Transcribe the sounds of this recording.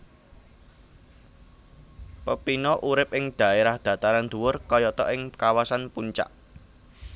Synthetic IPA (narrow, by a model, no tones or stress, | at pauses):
pəpinɔʔuɾɪp̚ɪŋd̪̥ä̤eɾahd̪̥ä̤t̪aɾand̪̥ṳwʊrkɔjɔt̪ɔ̰ʔɪŋkawasanpuɲt͡ʃa̰ʔ